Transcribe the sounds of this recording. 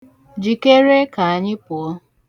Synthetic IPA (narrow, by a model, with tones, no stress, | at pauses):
d͡ʒi˨ke˦ɾe˦ka˨a˨ɲɪ˦pʊ˨ɔ˦